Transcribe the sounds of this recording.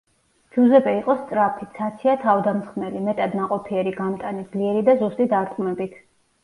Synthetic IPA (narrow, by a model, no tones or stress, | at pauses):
d͡ʒuzɛbɛiqʼɔst̪sʼɾapʰit̪sʰat̪sʰiat̪ʰavd̪amsχmnɛlimɛt̪ʼad̪naqʼɔpʰiɛɾiɡamt̪ʼanid̪zliɛɾid̪azust̪ʼid̪aɾt̪ʼmɛbit̪ʰ